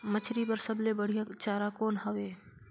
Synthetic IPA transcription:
mɐt͡ʃʰɾipɐɾsɐblebəɽ̤ijat͡ʃaːɾakoːnɦɐʋeː

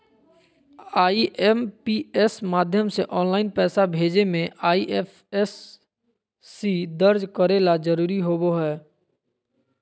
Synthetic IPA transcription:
aːiʔɛmpiɛsmaːd̪ʱjəmseʔɔːnlaːɪnpɛːsabʱeːd͡ʒemẽʔaːiʔɛf | ɛs | id̪əɾd͡ʒkəɾeːlad͡ʒəɾuːɾiɦoboɦɛː

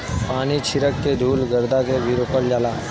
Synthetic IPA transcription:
paːnit͡ʃʰɪɾəkːed̪ʱuːlɡəɾd̪ʱakebʱiɾoːpəld͡ʒaːlaː

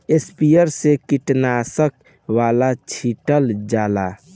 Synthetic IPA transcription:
espijəɾsekiʈnasək̚ | ʋalat͡ʃʰiʈəld͡ʒala

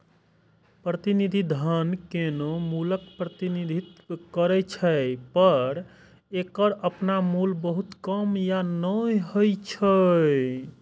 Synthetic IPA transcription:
pɾət̪inid̪ʱid̪ʱənkenomuləkpɾət̪inid̪ʱit̪kəɾɛt͡ʃʰəpəɾ | ekəɾəpnamulbəɦut̪kəmjanəjɦojt͡ʃʰəj

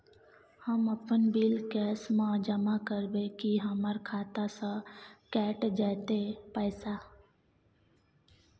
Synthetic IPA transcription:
həmɐpənbiːlkɛːsmãd͡ʒəmakəɾbekiɦəməɾkʰaːt̪asãkɛːʈd͡ʒɛːt̪epɛːsaː

